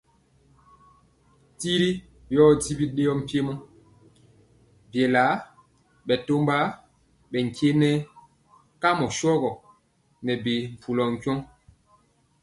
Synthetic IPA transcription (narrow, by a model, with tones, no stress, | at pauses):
ti˦ɾi˦ | jɔ˦˨di˦bi˦ɗe˦jɔ˦m̩˨pje˦mɔ˦ | bjɛ˨la˨˦ | ɓɛ˨to˦mba˦ | ɓɛ˨ŋ˨ke˦nɛ˦ | ka˦mɔ˨sɔ˦ɣɔ˨ | nɛ˨be˨ɱ̩˨pu˨lɔ˨ŋ̩˨kjɔ˦ŋ